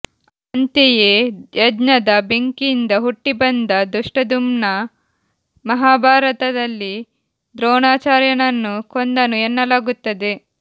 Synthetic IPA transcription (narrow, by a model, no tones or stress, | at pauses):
ɐnt̪ejejɐdnɐd̪ɐbeŋkind̪ɐɦuʈːibɐnd̪ɐd̪uʂʈɐd̪umnɐ | mɐɦaːbʱaːɾɐt̪ɐd̪ɐlːi | d̪ɾɔːɳaːt͡ʃaːɾjɐnɐnːukond̪ɐnuɛnːɐlaːɡut̪ːɐd̪e̞